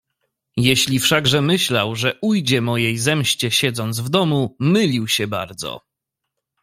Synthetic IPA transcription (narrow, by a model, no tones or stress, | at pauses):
jɛɕlʲifʂaɡʐɛmɘɕlawʐɛʔujd͡ʑɛmɔjejzɛmɕt͡ɕɛɕɛd̪zɔnd̪zvd̪ɔmumɘlʲiwɕɛba̰ɾd̪zɔ̰